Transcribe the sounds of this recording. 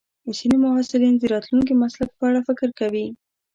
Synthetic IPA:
əsinemʊɦɑsɪlind̪əɾɑt̪lunk̬imaslak̚pəaɽafɪkɾkawi

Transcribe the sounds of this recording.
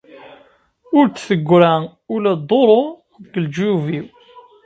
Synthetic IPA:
ʊɾt͡sːθəɡʷːɾæ | ʊlæd̪ˤoɾˤo | ɡəld͡ʒuviw

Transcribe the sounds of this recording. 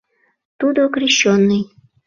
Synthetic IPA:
t̪ud̪okɾʲiɕːonːɨj

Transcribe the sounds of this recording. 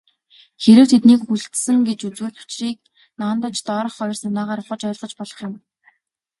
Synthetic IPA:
xeɾɘ̆wt̪ʰet̪niːkxuɮt̪sɘ̆ŋɡet͡ɕut͡swuːɮʊ̥t͡ɕriːk̚ | naːnt̪ə̆t͡ɕt̪ɔːɾɞ̆χɔjɞ̆rsanaːʁaːɾʊχə̆t͡ɕœjɪ̆ɮʁɞ̆t͡ɕpɔɮɞ̆χjʊ̆m

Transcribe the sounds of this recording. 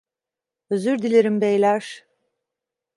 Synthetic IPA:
øzyɾd̪ilʲeɾimbejlʲæɾ̥

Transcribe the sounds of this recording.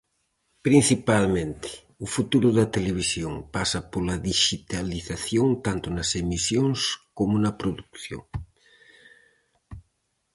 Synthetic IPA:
pɾin̟θipalmẽnt̪ɪ̥ | ʊfut̪uɾʊðɐt̪eleβ̞isjoŋpasɐpolɐðiʃit̪aliθaθjoŋt̪ant̪ʊnɐsemisjoŋskomʊnɐpɾoðukθjo̰ŋ

